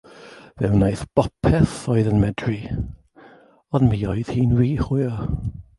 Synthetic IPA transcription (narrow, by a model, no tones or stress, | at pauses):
vɛwnajθb̥ɔpʰɛθɔɨðənmɛdri | ɔnmiːɔɨð̥hiːnwiːχʊjɔ